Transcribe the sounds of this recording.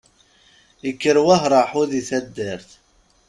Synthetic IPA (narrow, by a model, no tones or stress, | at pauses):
əkːəɾwæɦɾˤɑħuðiθæd̪ːəɾθ